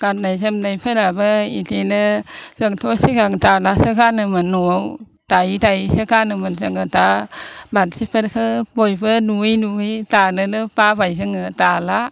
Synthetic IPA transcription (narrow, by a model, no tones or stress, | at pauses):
ɡ̥at̚najzəmnajpʰelabɯḭtʰinɯz̥ɯŋtʰɔsiɡaŋtalasɯkanɯmɯnuw | tajtajsɯkanɯmɯnzɯŋɯtabatsipʰɯɾkʰɯbojbɯnujnuɯjtanɯnɯpabajzɯŋɯtala